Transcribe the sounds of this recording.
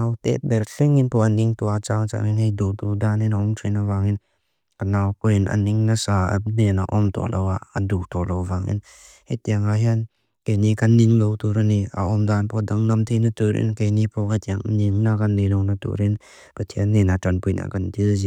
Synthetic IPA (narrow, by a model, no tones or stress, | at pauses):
nawtɛ̰t̚bɛɾɬɛŋinpʰɔaniŋt̪uat͡ʃaŋt͡ʃa̰ŋinhejdut̪ud̪aninaɔŋtʰijnavaŋɪn | kanawkɔjinʔa̰niŋnasaa̰nɛna̰ʔɔmt̪ɔ̰lɔwaəduk̚t̪ʰɔlowvaŋḭn | hejtiaŋaɦjan | kejnikaniŋlowt̪uɾania̰ʔɔmd̪anpʰɔdaŋnamt̪ʰejnatuɾḭnkejnipʰɔkajt̪iaŋniŋnakanːinɔwnatṵɾin | pət̪ʰiənːinatanpujna̰kantilzi